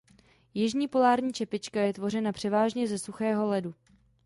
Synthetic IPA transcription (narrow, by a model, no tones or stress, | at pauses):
jɪʒɲiːpo̞laːɾɲiːt͡ʃɛpɪt͡ʃkajɛt̪vo̞r̝ɛnapr̥ɛvaːʒɲɛzɛsuxɛːɦo̞lɛdu